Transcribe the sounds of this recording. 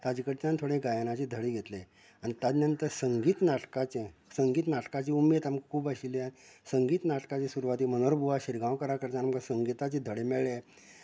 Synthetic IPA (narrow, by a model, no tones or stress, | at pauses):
t̪ad͡ʑikəʈt͡ɕant̪ʰoɽẽɡajanat͡ɕid̪ʱəɽiɡʱet̪le | anit̪ad̪njənt̪əɾsəŋɡiːt̪naʈkat͡ɕẽsəŋɡiːt̪naʈkat͡ɕiumet̪amkkʰuːbəɕiliasəŋɡiːt̪naʈkat͡ɕesuɾʋat̪iːmənoɾbuʋaɕiɾɡãwkəɾakəɾt͡ɕanamkasəŋɡit̪at͡ɕed̪ʱəɽemeɭe